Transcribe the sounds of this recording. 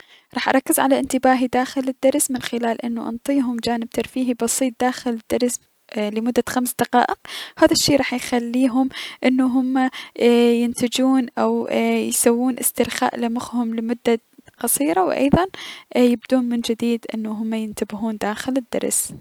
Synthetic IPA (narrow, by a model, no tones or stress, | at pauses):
ɾˤɑːħʔɑɾˤɑkːɪzʕalaʔɪnt̪ɪbaːɦid̪aːxɪlɪd̪ːɑɾˤsmɪnxɪlaːlʔɪnːuʔɑ̰nt̪ˤiːɦʊmd͡ʒaːnɪb̚t̪aɾˤfiːɦibɑsˤiːt̪̚d̪aːxɪlɪd̪̥ːɑɾˤs | lɪmʊd̪ːaxamsd̪ɑqɑ̰ːʔɪqhaːðaʃːeːʔɾˤɑːħjxalːiːɦʊmʔɪnːuɦʊmːajɪnt̪ɪd͡ʒuːnʔawjsawːuːnʔɪ̰st̪ɪɾxa̰ːʔlɪmʊxhʊmlɪmʊd̪ːa | qɑsˤiːɾawʔɑ̰jðˤɑnjɪb̚d̪uːnmɪnd͡ʒɪd̪iːd̪ʔɪnːuɦʊmːajɪnt̪abɪɦuːnd̪aːxɪlɪd̪ːɑ̰ɾˤs